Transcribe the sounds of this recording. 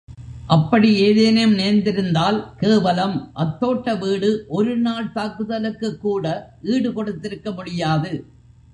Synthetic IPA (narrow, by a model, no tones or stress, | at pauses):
ʔɐpːɐɽieːðeːnɐjɐmneːɾnd̪ɪɾɯnd̪aːlkeːʋɐlɐmʔɐt̪ːoːʈːɐʋiːɽɯʔɔɾɯnaːɭt̪aːkɯðɐlɯkːɯkːuːɽɐʔiːɽɯkɔɽɯt̪ːɪɾɯkːɐmʊɽɪjaːðɯ